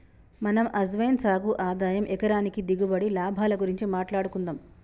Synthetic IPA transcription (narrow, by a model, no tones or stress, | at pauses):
mɐnɐmʔɐs̬ʋɐjnsaːɡuʔaːd̪aːjɐmʔɛkɐɾaːnikid̪iɡubɐɽilaːbʱaːlɐɡuɾiɲt͡ʃimaːʈlaːɽukund̪aːm